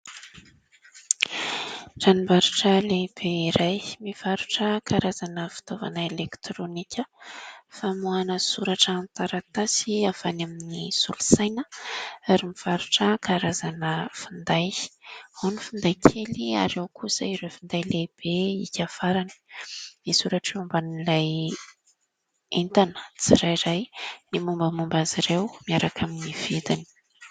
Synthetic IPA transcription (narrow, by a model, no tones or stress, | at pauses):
ʈ͡ʂanimbaɾuʈ͡ʂəleb̥eiɾajmiv̥aɾuʈ͡ʂəkʰaɾazanəfi̥t̪ova̰nəelekt̪ɾonikʲəfamuanəsuɾaʈ͡ʂəːnt̪aɾat̪asiafanaminisulu̥sajnəaɾimiv̥aɾuʈ͡ʂəkaɾazanəfind̪ajhonifind̪ajkʰelia̰ɾewkʰusəiɾefind̪ajleb̥eikʲafaɾani̥nisuɾaʈ͡ʂumbanilaj | ent̪anə̥t͡siɾajɾajnimumbəmumbaziɾewmiaɾakʰaminiv̥id̪ini̥